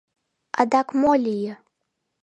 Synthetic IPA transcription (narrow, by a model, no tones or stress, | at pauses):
a̰d̪akʰmolʲijɛ